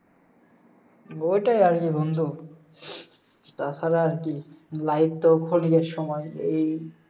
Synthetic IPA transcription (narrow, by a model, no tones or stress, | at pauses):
ojʈajaɾkibond̪ʱu | t̪at͡ɕʰaɾaaɾkilait̪ːokʰonikeɾʃɔmɔjej